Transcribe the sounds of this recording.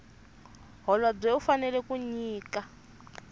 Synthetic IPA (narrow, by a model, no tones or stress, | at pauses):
ɦɔlab͡ʐɛufanɛlɛkuɲiːka